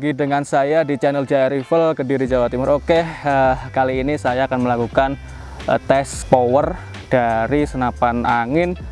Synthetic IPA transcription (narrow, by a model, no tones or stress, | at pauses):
ɡidəŋansajadit͡ʃanəld͡ʒaəɾifəlkədiɾid͡ʒawat̪imʊɾokehəkaliːnisajaːkanməlakukan | t̪ɛspowər | d̥aɾisənapanaŋɪn